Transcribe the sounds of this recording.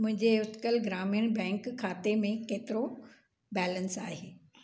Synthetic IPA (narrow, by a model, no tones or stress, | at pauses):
mʊ̃ɦɪ̃ɲd͡ʑeʊt̪kəlɡɾaːmijəñbɛ̃ːŋkkʰːaːt̪emẽkeːt̪ɪɾo | bɛːlənsaːɦeː